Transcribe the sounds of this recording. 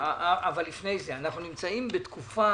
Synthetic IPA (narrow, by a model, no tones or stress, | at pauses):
avalːifne̞jzeanaχnunimt͡saimbet̪kufa